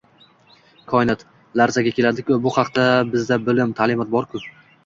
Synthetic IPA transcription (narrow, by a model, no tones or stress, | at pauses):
kʰɒɪnat̪ | laɾzaɡʲakʲʰe̞lad̪ɪkʲʰʊbʊhɑqt̪abɪzd̪abɪlɪmt̪ʰalɪmɒt̪̚bɒɾkʰʊ